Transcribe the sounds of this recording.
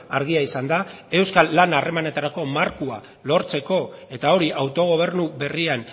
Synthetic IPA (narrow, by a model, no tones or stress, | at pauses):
aɾɣ̞iaisand̪ae̞wskalːanare̞mane̞t̪aɾako̞maɾkua | lo̞ɾt͡se̞ko̞e̞t̪ao̞ɾiʔawt̪o̞ɣ̞o̞β̞e̞ɾnuβe̞rian